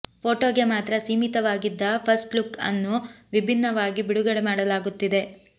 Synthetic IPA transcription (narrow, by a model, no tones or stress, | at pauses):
pʰoːʈoːɡemaːt̪ɾɐsiːmit̪ɐʋaːɡid̪ːɐpʰɐsʈlukɐ̰nːuʋibʱinːɐʋaːɡibiɽuɡɐɭemaːɽɐlaːɡut̪ːid̪e̞